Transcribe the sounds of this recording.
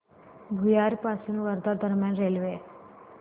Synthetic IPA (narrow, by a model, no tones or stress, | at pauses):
bʱujaɾpasunũʋəɾd̪aɾd̪əɾmjanɾelʋe